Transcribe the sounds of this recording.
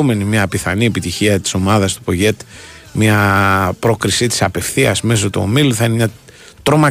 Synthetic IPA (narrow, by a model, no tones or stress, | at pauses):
me̞nimɲɐpiθɐniepit̪içiɐt̪i̥so̞mɐðɐst̪u̥po̞ʝe̞t̪ | mɐpɾo̞kɾisit̪i̥sɐpe̞fθiɐ̰sme̞so̞t̪o̰miluθɐinemɲɐ | t̪ɾo̞mɐ